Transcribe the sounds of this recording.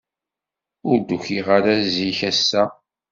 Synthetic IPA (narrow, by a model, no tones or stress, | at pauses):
ʊɾd̪uçiʁaɾæziçæsːæ